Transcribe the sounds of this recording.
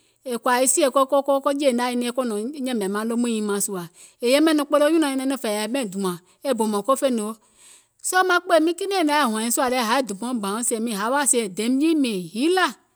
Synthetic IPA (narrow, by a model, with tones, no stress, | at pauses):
e˨kwa˨ji˦si˦e˨ko˦ko˦kɔ˦ko˦d͡ʒe˦˨nã˦ji˦nẽ˦e˦ko˦nɔ̃˨˦ɲɛ̃˦mẽ˨mã˦lo˦mũ˦ĩ˨mã˨su˨a˨ | e˨je˦mẽ˦nũ˨k͡pe˦lo˦o˦ɲũ˦nã˨ɲi˦nẽ˦nõ˦fe˨ja˨˦mẽ˦˨d̪u˨ã˨ | e˦bo˨mɔ̃˨ko˦fe˦ne˨wo˦ | sɔ˦mã˦k͡po˦e˦˨mĩ˦ki˦nẽ˦˨nã˨˦a˨ɦũ˨ã˨ĩ˨˦su˦a˨le˦˨ɦa˨˦e˦d̪u˨pɔ̃˦˨ɡ͡bã˨wõ˦se˨mĩ˨ɦa˨˦wa˦se˨d̪e˨˦m˦d͡ʒi˦mẽ˨ɦi˦la˦˨